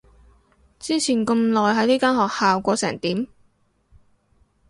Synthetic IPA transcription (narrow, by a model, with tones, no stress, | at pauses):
t͡siː˥t͡sʰiː˨˩nkə˧mlɔː˨jɦɐ˨˥jniː˥kaː˥nɦɔː˨k̚haː˨wkʷɔː˧sɛː˨˩ŋt̪iː˨˥m